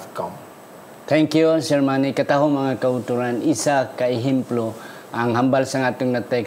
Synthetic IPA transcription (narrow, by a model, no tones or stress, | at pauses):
kɔm | t̪ʰɛŋkjusɛɾmanikət̪aɦumaŋakəut̪uɾanisakːaiɦimplu | aŋɦambalsaŋat̪uŋnat̪ɛk